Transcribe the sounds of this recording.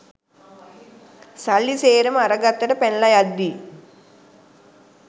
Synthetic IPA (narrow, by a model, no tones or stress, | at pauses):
sɐɭːiseːɾɐmɐɾɐɡɐt̪ːɐʈɐpenlɐjɐd̪ːi